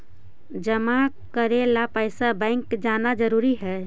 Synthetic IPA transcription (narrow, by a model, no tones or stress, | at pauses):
d͡ʒəma | kəɾelapəjsabə̃ɪŋkd͡ʒanad͡ʒəɾuɾiɦɛ